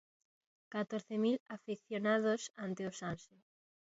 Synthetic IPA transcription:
kat̪oɾθemilafiθjonað̞osant̪eosanse

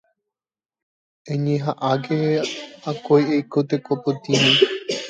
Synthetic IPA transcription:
ẽɲẽɦaʔaɡeakojejkot̪ekopot̪ĩmĩ

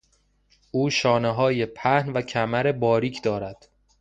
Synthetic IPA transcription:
ʔuːʃɒːneɦɒːje̞pʰæhnvæcʰæmæɾe̞bɒːɾiːcʰd̪ɒːɾæd̪̥

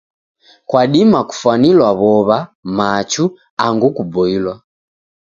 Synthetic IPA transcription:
kwaɗimaku̥fwanilwaβɔβamat͡ʃu | aŋɡukubɔilwa

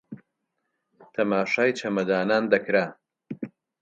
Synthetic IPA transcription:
t̪ʰɐmaːʃaːjt͡ʃʰɐmɐd̪aːnaːnd̪ɐkɾa

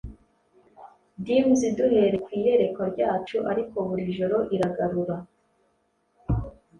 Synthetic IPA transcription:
dimziduhe̞ɾe̞kwiːje̞ɾe̞kwaɾɟaːt͡ʃuʔaɾiko̞βuɾiʒo̞ɾoʔiɾaɡaɾuɾa

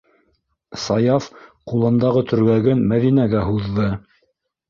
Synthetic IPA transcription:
sɑjɑfqulˠɤ̆nd̪ɑʁɤt̪ʰɵ̆ɾɡæɡɘnmæðinæɡæɦuðːɤ

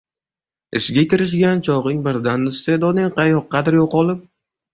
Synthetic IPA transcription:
ɪʃɡʲakʲɪɾɪʃ̬ɡʲant͡ʃʰɒʁɪŋbɪɾd̪anːɪst̪ed̪ɒnɪŋqʰɑjɒqːɑd̪ɪɾjoqɒlˠɪp̚

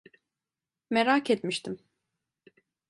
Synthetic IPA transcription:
meɾaket̪miʃt̪ʰim

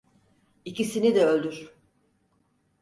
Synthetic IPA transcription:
icʰisinid̪ɛølʲd̪yɾ̥

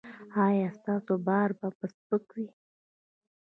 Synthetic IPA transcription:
ɑjɑst̪ɑsobɑɾbapəspəkwi

